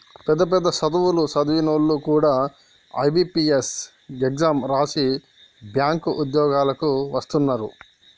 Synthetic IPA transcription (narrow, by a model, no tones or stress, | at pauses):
pɛd̪ːɐp̬ɛd̪ːɐsɐd̪uwulusɐd̪uʋinoːlːukuːɽaː | ɐ̰jbipies | eɡzaːmɾaːsi | bjaːŋkuʔud̪jɔːɡaːlɐkuʋɐst̪unːaːɾṵ